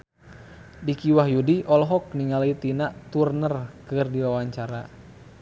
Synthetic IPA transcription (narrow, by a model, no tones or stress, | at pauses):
dikiwaɦjudiʔɔlɦɔk̚niŋalit̪inaʔt̪urnərkɨrdiwawaɲt͡ʃaɾa̰